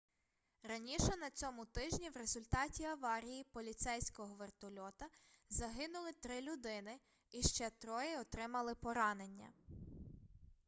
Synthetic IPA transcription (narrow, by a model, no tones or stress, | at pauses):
rɐnʲiʃɛnɐt͡sʲɔmʊt̪ɪʒnʲiwɾe̞zʊlʲt̪ɑtʲiɐʋɑɾʲijipɔlʲit̪sɛjsʲkɔɦɔʋert̪ɔlʲɔt̪ɐzɐɦɪnʊlˠɪt̪ɾɪlʲʊd̪ɪnɪ | iʃt͡ʃɛt̪ɾɔjɪɔt̪ɾɪmɐlˠɪpɔɾɑne̞nʲːɐ̰